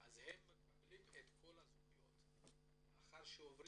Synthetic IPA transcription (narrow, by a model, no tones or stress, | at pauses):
ʔazhemːekablimet̪kʰo̞lazuɡujo̞̰t̪ | aχaʁʃeovʁ